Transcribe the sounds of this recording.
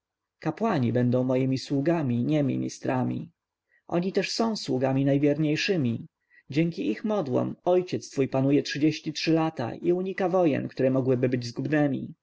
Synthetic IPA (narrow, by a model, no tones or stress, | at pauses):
kapwaɲibɛnd̪ɔ̃w̃mɔjimʲiswuɡamʲiɲɛmʲḭɲʲḭst̪ɾamʲḭ | ʔɔ̰ɲit̪ɛʂsɔ̃w̃swuɡamʲinajvʲjɛɾɲejʂɘmʲi | d͡ʑɛŋkʲiixmɔd̪wɔ̰mɔjt͡ɕɛt̪st̪fujpanujɛtʂɘd͡ʑeɕt͡ɕitʂɘlat̪a̰ʔiuɲikavɔjɛ̰nkt̪uɾɛmɔɡwɘbɘbɘd͡ʑzɡubnɛmʲḭ